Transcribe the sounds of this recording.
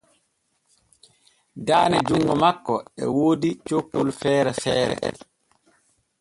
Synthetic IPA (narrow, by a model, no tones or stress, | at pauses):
daːnɛd͡ʒuŋːɡɔmakːɔɛ̰woːdit͡ʃokːolfɛːɾɛfɛːɾɛ̰ɛ̰l